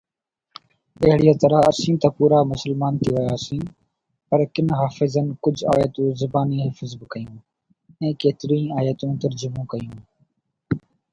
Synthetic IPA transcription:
əɦɪɽijãːt̪əɾəɦəsĩːt̪aːpuːɾaːmʊsəlmaːnt̪ʰiːʋəjaːsĩː | pəɾkɪnɦaːfɪzənɪkʊd͡ʒʱa̰ːjət̪ũːzʊbaːniːɦaːfɪzbɪkəjũː | ɛ̃ːkeːt̪ɪɾĩːnaːjət̪ũːt̪əɾd͡ʒʊmũːkəjũː

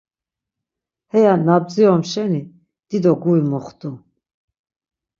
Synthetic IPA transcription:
hɛjanab̚d͡ziɔmʃɛni | d̪̥id̪ɔɡuimɔχt̪ʼu

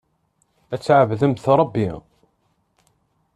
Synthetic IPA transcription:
æt͡sːʕəvðəmθɾˤɑbːi

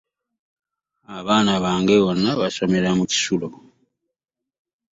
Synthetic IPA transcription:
aβaːnaβaːŋɡeβonːaβaso̞me̞ɾamuci̥sulo

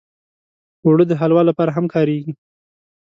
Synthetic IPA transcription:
wɽəd̪əɦalwɑlːapɑɾaɦamkʰɑɾeɡi

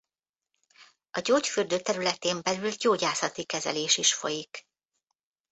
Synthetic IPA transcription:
ɒɟoːcfyrd̪øːt̪ɛɾylɛt̪eːmbɛlylɟoːɟaːsɒt̪ikɛzɛ̰leːʃiʃfo̰jik

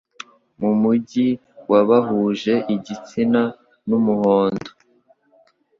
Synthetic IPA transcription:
mumuɟi | waβaɦuːʒe̞ʔiɟit͡sina | numuhoːndo

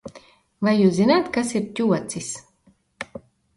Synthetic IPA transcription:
vajːuːszinaːt̪kasiɾtʲuɔt̪sis

